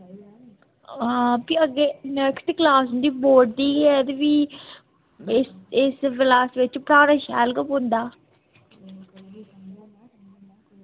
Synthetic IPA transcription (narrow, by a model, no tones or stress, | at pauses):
apiəɡːeːnɛːksʈ̪klaːsɦʊ̃nd̪iːboːʈ̚d̪iːɛːd̪ʋiː | sɪsʋɪlaːsʋɪt͡ʃpəɾaːɾaːʃɛ̰ːlkəpɦʊ̃nd̪aː